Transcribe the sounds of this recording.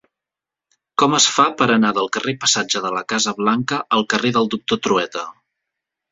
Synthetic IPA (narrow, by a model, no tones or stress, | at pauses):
kɔməsfapəɾənaðəlˠkərepəsad͡ʒəðələkazəβlaŋkəʔːlˠkəreðəlˠd̪uk̚t̪ot̪ɾuɛt̪ə